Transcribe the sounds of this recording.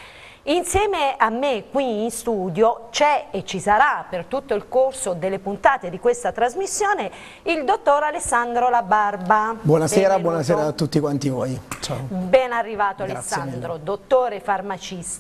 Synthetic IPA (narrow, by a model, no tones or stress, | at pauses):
insjɛːmeamːekːwiːnst̪uːd̪jot͡ʃɛet͡ʃːisaɾapert̪ut̪ːoilkorsod̪elːepunt̪aːt̪ed̪ikwest̪at̪ɾazmisːjoːne | ild̪ot̪ːoɾalesːand̪ɾolabarbabwɔːnasɛːɾabwɔnas̬ɛːɾat̪ːut̪ːikwant̪ivɔːjt͡ʃabɛnarːivaːt̪oalesːaand̪ɾod̪ot̪ːoːɾefarmat͡ʃist̪a